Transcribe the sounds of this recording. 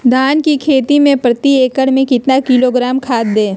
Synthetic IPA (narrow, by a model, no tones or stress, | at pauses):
d̪ʱaːnkikʰeːt̪imẽpɾɐt̪ieːkəɽmẽkɪt̪nakiloɡɾaːmkʰaːt̪̚ːẽː